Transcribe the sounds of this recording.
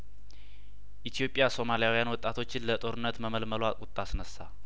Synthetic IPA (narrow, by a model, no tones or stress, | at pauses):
ʔit̪ʰijo̞pʼːjaso̞malijawijanwɔt̪ʼːat̪ʰo̞t͡ʃːɪnlət̪ʼo̞ɾɨnːət̪məməlməlakʼʊt̪ʼːasnəsːa